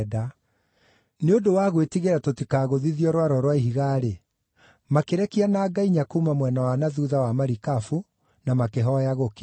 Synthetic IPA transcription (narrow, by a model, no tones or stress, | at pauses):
da | neodowaɣwetiɣeɾatotikaːɣoðiðiɔɾwaɾɔɾwaiɦiɣaɾe | makeɾɛkianaːɡaiɲakumamwɛnawanaðuðawamaɾikafu | namakeɦɔjaɣok